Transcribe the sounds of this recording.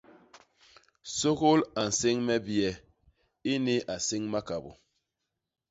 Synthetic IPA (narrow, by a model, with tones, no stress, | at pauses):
so˦ko˦la˨n̩˨se˦ŋmɛ˦bi˨ɛ˨ | i˦ni˦a˨si˦ŋma˦ka˨bo̰˨